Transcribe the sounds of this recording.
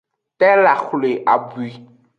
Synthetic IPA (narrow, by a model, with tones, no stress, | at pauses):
t̪ɛ˦la˨xle˨ʔa˨bu˨i˦